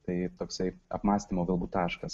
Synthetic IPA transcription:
t̪ɐɪt̪oːksɐɪɐ̰pmɑːsʲt̪ʲimoːɡɐlˠbuːt̪ɑːʃkɐs

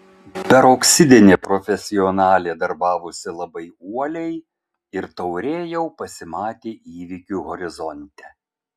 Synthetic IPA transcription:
pʲɛɾoksʲɪd̪ʲɪnʲeːpɾɔfʲɛsʲɪɔnɑːlʲeːd̪ɐɾbɑːʋʊsʲɪlˠɐbɐɪuɔlʲɛɪ | ɪɾt̪ɐʊɾʲeːjɛʊpɐsʲɪmɑːt̪ʲeːʔiːʋʲɪkʲuːɣɔɾʲɪzɔnʲt̪ʲɛ

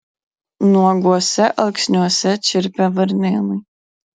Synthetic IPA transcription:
nuɔɡuɔsʲɛʔɐlˠksʲnʲuɔsʲɛt͡ʃʲɪɾpʲɛvɐɾnʲeːlˠɨ

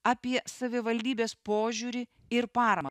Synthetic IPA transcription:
ɐpʲiɛsɐʋʲɪʋɐlʲd̪ʲiːbʲeːspoːʒʲuɾʲɪ | ɪɾpɑːɾɐm

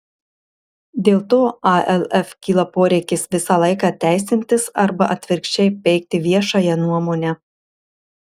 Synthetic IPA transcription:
d̪ʲeːlˠt̪oːɑʔɛlʲˠɛfkʲiːlˠɐpoːɾʲɛɪkʲɪsʋʲɪsɑlˠɐɪkɑːt̪ʲæˑɪsʲɪnʲt̪ʲɪsɐɾbɐʔɐt̪ʲʋʲɪɾʲkʃʲt͡ʃʲɛɪpʲɛɪk̚t̪ʲɪʋʲiɛʃɑjɛnuɔmoːnʲɛ

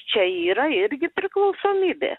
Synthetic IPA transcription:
t͡ʃʲɛiːɾɐɪɾʲɡʲɪpʲɾʲɪklˠɐʊssoːmʲiːbʲḛː

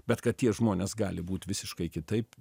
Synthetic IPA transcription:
b̥ʲɛt̪kɐt̪̚tʲiɛʒmoːnʲeːsɡɑːlʲɪbuːt̪ʋʲɪsʲɪʃkɐɪkʲɪt̪ɐɪp

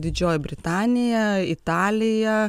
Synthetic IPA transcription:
d̪ʲɪd͡ʒʲoːjɛbʲɾʲɪt̪ɑːnʲɪjɛɪt̪ɑːlʲɪjɛ

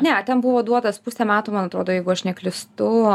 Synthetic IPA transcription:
nʲɛt̪ʲɛnbʊʋoːd̪uɔt̪ɐspusʲɛmʲæːt̪uːmɐnɐt̪ɾoːd̪oːjɛɪɡʊɐʃnʲɛklʲɪst̪ʊ

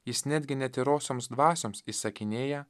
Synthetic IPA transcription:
jɪsnʲæːd̪ʲɡʲɪnʲɛt̪ʲɪɾoːsʲoːmsd̪ʋɑːsʲoːmsisɐkʲɪnʲeːjɛ

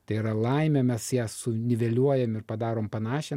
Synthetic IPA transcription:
t̪ɐɪiɾɐlˠɐɪmʲɛmʲɛsjæːsʊnʲɪʋʲɛlʲuɔjɛmɪrpɐd̪ɑːɾoːmpɐnɑːʃʲɛ

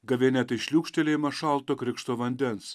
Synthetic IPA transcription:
ɡɐʋʲenʲɛt̪ɐɪʃʲlʲuːkʃʲt̪ʲɛlʲeːmɐʃɑlˠt̪oːkɾʲɪkʃt̪oːʋɐnʲd̪ʲɛns

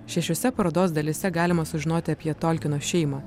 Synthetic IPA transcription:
ʃʲɛʃʲoːsʲɛpɐɾoːd̪oːs̬d̪ɐlʲɪsʲɛɡɑːlʲɪmɐsʊʒʲɪnoːt̪ʲɪɐpʲiɛt̪olʲkʲɪnoːʃʲɛɪmɑː

